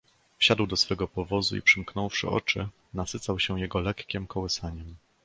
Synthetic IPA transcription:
fɕad̪wd̪ɔsfɛɡɔpɔvɔzuḭpʂɘmknɔwfʂɘ̰ʔɔ̰t͡ʂɘ | nasɘt̪sawɕɛ̃jɛɡɔlɛkkʲɛmkɔwɘsaɲɛm

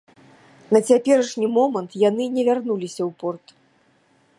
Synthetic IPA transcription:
nɐt͡sʲapʲɛɾɐʂnʲimɔmɐnt̪janɨnʲɛvʲarnulʲisʲɐwpɔrt̪

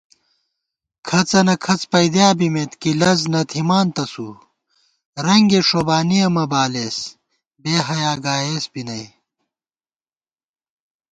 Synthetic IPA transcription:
kʰɐt͡sɐnɐkʰɐt͡spɐjd̪jaːbimet̪kilɐznɐt̪ʰimaːnt̪ɐsuː | ɾɐŋɡeʂobaːnijɐmɐbaːleːs | beːɦɐjaːɡaːeːsbinɐj

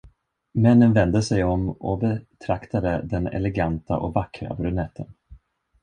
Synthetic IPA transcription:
mɛnːənvɛnd̪əsɛjɔmɔbɛt̪ʰɾakt̪ad̪əd̪ɛnɛ̰lɛɡant̪a̰ʔɔkvakɾa̰bɾɵnɛt̪ʰːən

